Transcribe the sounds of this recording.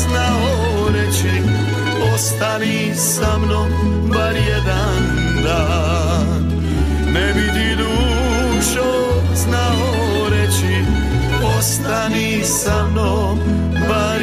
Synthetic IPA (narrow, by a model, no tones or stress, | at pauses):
zna | o | ɾɛt͡ʃʰi | ɔst̪ani | samno | baɾjɛd̪a | n | d̪a | nɛʋid̪iɾu | ʃo | zna | o | ɾɛt͡ʃʰi | ost̪ani | samno | baɾ